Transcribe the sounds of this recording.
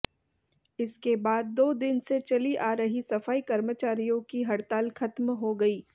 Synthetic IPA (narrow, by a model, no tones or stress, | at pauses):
ɪskebaːd̪̚ːoːd̪ɪnset͡ʃɐliʔaːɾɐɦisɐfaːikɐɾmət͡ʃaːɾijõkiɦɐɽt̪aːlxɐt̪mɦoɡɐiː